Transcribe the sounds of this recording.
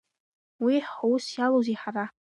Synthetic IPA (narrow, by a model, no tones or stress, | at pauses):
wiħowʊsjaloziħara